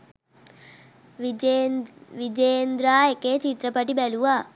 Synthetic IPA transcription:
ʋid͡ʒejend̪ɾaːekeːt͡ʃit̪ɾəpɐʈibæluʋaː

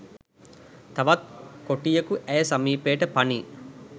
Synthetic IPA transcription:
t̪ɐʋɐt̪̚koʈijɐkuʔæjɐsɐmiːpeːʈəpɐniː

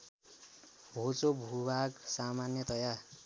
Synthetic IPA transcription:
bʱot͡sobʱubʱaɡsamanjʌt̪ʌja

